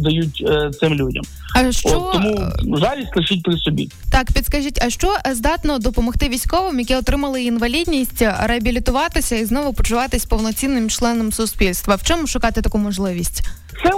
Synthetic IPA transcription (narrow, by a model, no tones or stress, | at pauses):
d̪ɐjutʲt̪sɪmlʲudʲɐ̰m | ɐʃt͡ʃɔt̪ːɔmuzɑʋʲisʲtʲlˠɪʃit̚ʲpɾɪsɔbʲḭ | t̪ɑkpʲid̪skɐʒitʲɐʃt͡ʃɔzd̪ɑt̪nɔd̪ɔpɔmɔxt̪ɪʋʲijsʲkɔʋɪmjɐkɪɔt̪ɾɪmɐlˠɪinʋɐlʲidʲnʲisʲtʲɾeɐbʲilʲit̪ʊʋɑt̪ɪsʲɐiznɔʋʊpɔt͡ʃʊʋɑt̪ɪsʲpɔwnɔt͡sʲinːɪmt͡ʃlˠɛnɔmsʊspʲilʲst̪ʋɐwt͡ʃɔmʊʃʊkɑt̪ɪt̪ɐkumɔʒlˠɪʋʲisʲtʲ | sɛ